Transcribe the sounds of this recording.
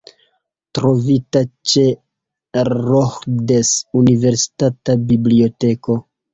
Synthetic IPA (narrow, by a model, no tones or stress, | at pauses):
tɾo̞vitat͡ʃe̞ | ɾoxdesunive̞ɾsi̥tatabiblio̞te̞ko̞